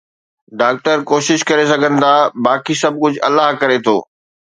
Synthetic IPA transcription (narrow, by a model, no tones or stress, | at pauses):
ɖaːk̚ʈəɾkoːʃɪʃkɐɾes̬ɐɡʱənɪ̆t̪ʰaːbaːkisɐb̚ʱkʊd͡ʑʱɐlaɦkɐɾet̪ʰoː